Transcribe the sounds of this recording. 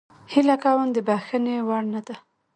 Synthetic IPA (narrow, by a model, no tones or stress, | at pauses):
hilakawəmd̪əbaxənewaɽnad̪a